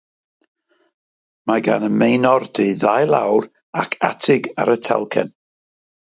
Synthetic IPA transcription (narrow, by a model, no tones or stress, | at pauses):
maɡanəmejnɔrd̥iðajlˠa̰wr | akʰa̰tʰɪɡa̰ɾətʰɛ̰lˠkʰɛ̰n